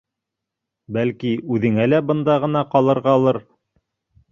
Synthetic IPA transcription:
bælkiʉðɘ̆ŋælæbɤ̆nd̪ɑʁɤ̆nɑqɑlˠɤ̆ɾʁɑːlˠɤɾ

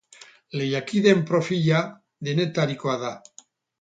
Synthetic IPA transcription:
lejakiðempɾofiʎa | d̪enet̪aɾikoaða

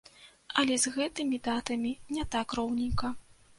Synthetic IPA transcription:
ɐlʲɛzɣɛt̪ɨmʲid̪at̪ɐmʲinʲɛt̪akrɔwnʲikɐ

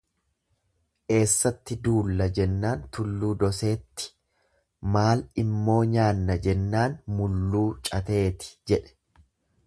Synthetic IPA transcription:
ʔe̞ːsːɐt̪ːɪd̪uːlːɐd͡ʒɛnːaːnt̪ʊlːuːd̪ɔse̞ːt̪ːɪ̥ | maːlɪmːo̞ːɲaːnːɐd͡ʒɛnːaːnmʊlːuːt͡ʃʼɐt̪e̞ːt̪ɪ̥d͡ʒɛᶑɛ̥

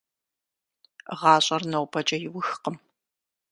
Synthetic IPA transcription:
ʁɑːɕʼɐrnɐwpʰɐt͡ʃʼɐjɪwʊxqəm

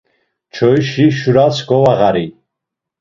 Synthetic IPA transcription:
t͡ʃʰɔjʃiʃuɾasɡɔwaʁaɾi

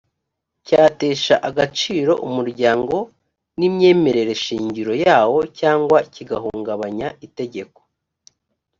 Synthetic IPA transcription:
caːte̞ːʃaʔaɡat͡ʃiːɾo̞ʔumuɾɟaːŋɡo̞ | nimɲe̞ːme̞ɾe̞ɾe̞ʃiːɲɟiɾo̞jaːwo̞caːŋɡwaiciɡaɦuːŋɡaβaɲaʔite̞ɟe̞ko̞̥

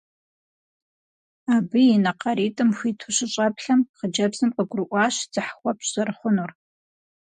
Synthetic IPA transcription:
aːbɨjinɐqɐɾiːtʼɨmxʷiːtʰuɕɪɕʼɐpɬɐmχəd͡ʒɐbzɨmqʼəɡʷʊrɨʔʷɑːɕd͡z̥ɨħχʷɔpzɐrχʷʊnur

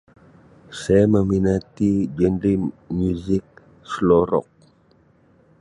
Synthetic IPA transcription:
sajaməminat̪id͡ʒənɾimuzɪk̚ | slɔɾɔ̰k̚

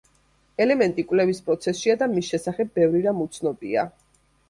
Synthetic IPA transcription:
ɛlɛmɛnt̪ʼikʼwlɛvispʼɾɔt̪sʰɛsʃiad̪amisʃɛsaχɛb̚ːɛvɾiɾamut̪sʰnɔbʼia̰

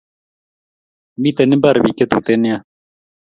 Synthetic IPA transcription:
mit̪enibɐɾbiket̪ṵːt̪enja

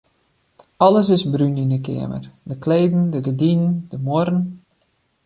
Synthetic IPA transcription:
ɔləs̬ɪsbryninəkɪ̰əmə̰rdəkleːdn̩dəɡədinəndəmoɾən

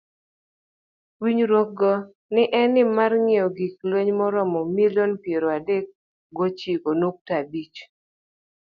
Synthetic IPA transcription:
wiɲɾok̚ɡɔ | nɪʔɛnɪmarŋɪɔɡiklweɲmɔɾɔmɔmilonpjeɾɔadek̚ | ɡot͡ʃikonok̚tabit͡ʃ

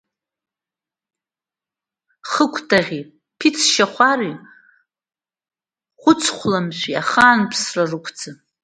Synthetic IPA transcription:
χəkʷʰtʰʼaʁʲi | pʰit͡sʰʃaχʷari | χʷʊt͡sʰχʷlamʃʷᶣia̰χaːnpʰsrarɨkʷʰd͡zɨ

